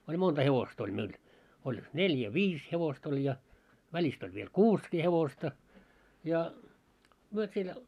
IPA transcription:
olʲ montɑ heʋost olʲ meil olʲ neljæ ʋiːs heʋost olʲ jɑ ʋælʲist olʲ ʋiel kuːskiː heʋostɑ jɑ myø siel

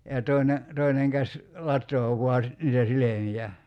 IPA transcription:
jɑ toˑi̞ne toineŋ kæsʲ lɑtˑoː ʋuɑ si niːtæ silemijæ

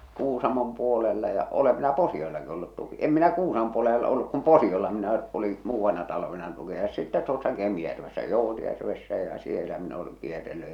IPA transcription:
kuːsɑmom puolelːɑ jɑ olem minæ posiolːɑki olːut tuki em minæ kuːsɑmə̆m̆ puolelː oleʔ olːuk kum posiolːɑ minæ oli muːʋːɑnːɑ tɑlʋenɑ tukiɑjosːɑ sitːæ tuosːɑ kemĭjærʋesːæ joˑutjærʋesːæ jɑ̟ sielæ min oleŋ kierːelːy

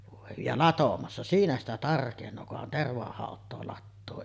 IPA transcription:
ʋoˑe jɑ lɑtomɑsːɑ siːnæ stæ tɑrkenˑoː kuhɑn terʋɑhɑˑotˑoː lɑtːoː

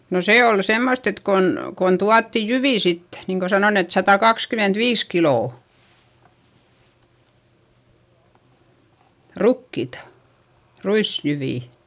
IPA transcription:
no seː ol semːost et kon kon tuɑtːi jyʋiˑ sit niːŋ ko sɑnon et sɑtɑkɑkskymentʋiːs kiloˑ rukːiˑtɑ ruisjyʋiˑ

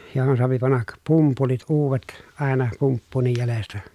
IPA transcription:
johon soɑpi pɑnːɑk pumpulit uːʋet ɑˑenɑ pumpːuːnːij jælestæ

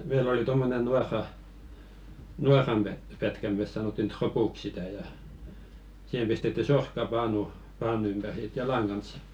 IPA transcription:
meil oli tomːonen nuɑrːɑ nuɑrˑɑm pæ pætkæ meˑs sɑnoˑtːin tropuk sitæ jɑ sih̆em pistetːy sorkːɑpɑːnu pɑːnu ympær j̆ɑ̆ sit jɑlɑŋ kɑns

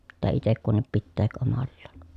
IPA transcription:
pitːæː itek kunːip pitːeːk omɑlːɑːn

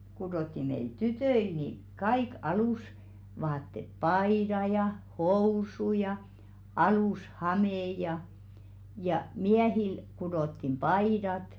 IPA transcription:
kudoˑtːi meil tytøil ni kɑik ɑluˑsʋɑːtːet pɑidɑ jɑ housu jɑ ɑluˑshɑmeˑ jɑ jɑ miæhil kudotːim pɑidɑt

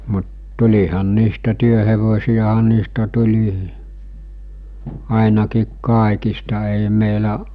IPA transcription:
mut tulʲihɑn niːstæ tyøheʋosiɑɦɑ niːstæ tulʲi ɑˑinɑkiːk kɑˑekistɑ ei meˑi̞læ

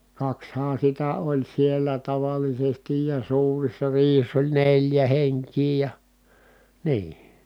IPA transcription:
kɑkshɑːn̞ sitæ olʲ sielˑæ tɑʋɑlisestij jɑ suːrisːɑ riːhisː olʲ nelʲjæ heŋkˑiː jɑ niː

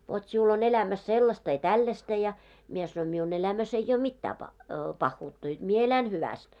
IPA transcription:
ʋot siul on elæmæs selːɑstɑ jɑ tælːæstæ jɑ mie sɑnoin miun elæmæs ei j̆oː mitːæː pɑh pɑhːuːtːɑ jot mie elæn hyʋæst

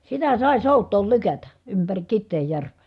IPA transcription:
sitæ sɑˑi̯ soˑutˑoːl lykætæ ympæri kitːeːjːærʋˑeˑ

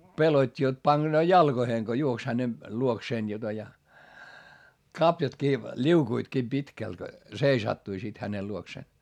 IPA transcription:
pelotʲːi jot pɑɡ̊enoː jɑlɡ̊oheːŋ ɡ̊o juoks hæne luokseːn jotɑ jɑ kɑpjɑtkiː lʲiukuitkiː pitkælt seisɑtːui sit hænel luokseˑn

